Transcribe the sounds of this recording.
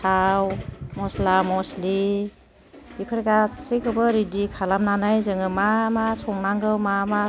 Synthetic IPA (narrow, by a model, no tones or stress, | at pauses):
tʰawmɔslamɔsli | bikʰɯɾeɡat͡sikʰɯbɯɾidikʰalamnanajzɯŋɯmamasɔŋnaŋɡɯwmama